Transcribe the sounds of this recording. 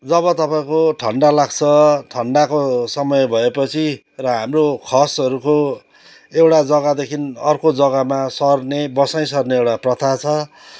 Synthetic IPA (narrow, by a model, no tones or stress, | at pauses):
d͡zʌβʌt̪ʌpaĩkoʈʰʌɳɖalaɡ̚t͡sʰʌʈʰʌɳɖakosʌmʌjbʱʌepʌt͡sʰi | rʌɦamrokʰʌsʌɾuko | ewʈad͡zʌɡad̪ekʰinʌrkod͡zʌɡamasʌrnebʌsaj̃sʌrneewʈaprʌt̪ʰat͡sʰʌ